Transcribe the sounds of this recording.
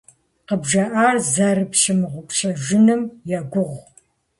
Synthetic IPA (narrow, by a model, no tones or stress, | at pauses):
qəbʒɐʔaːrzɐrɨpʃɪmɨʁʷʊkʷʼʃɐʒɪnɨmjɛɡʷʊʁʷ